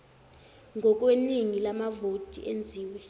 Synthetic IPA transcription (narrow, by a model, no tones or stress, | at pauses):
ŋʱɔk̬ʼweniŋilamavotʼḭʔend͡zʱiːwɛ